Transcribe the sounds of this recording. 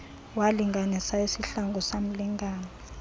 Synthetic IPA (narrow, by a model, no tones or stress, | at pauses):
waliŋɡʱanisaisiɬaŋɡʱɔsam̩liŋɡʱaːna